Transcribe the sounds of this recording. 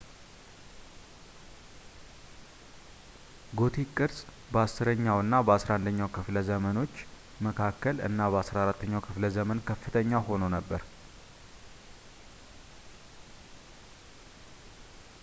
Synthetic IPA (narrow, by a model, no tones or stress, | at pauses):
ɡo̞t̪ʰikʼːɨɾsʼ | bəasːɨɾəɲːawɨnːabəasɾaʔand̪əɲːawkʰɨfləzəməno̞t͡ʃː | məkʰakːəlɨ̰nːabəasɾaɾat̪ʰːəɲːawkʰɨfləzəmənkʰəfːɨt̪ʰəɲːawho̞nonəbːəɾ